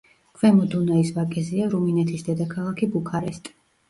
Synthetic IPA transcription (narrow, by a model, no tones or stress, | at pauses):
kʰvɛmɔd̪unaisvakʼɛziaɾuminɛt̪ʰisd̪ɛd̪akʰalˠakʰibukʰaɾɛst̪ʼi̥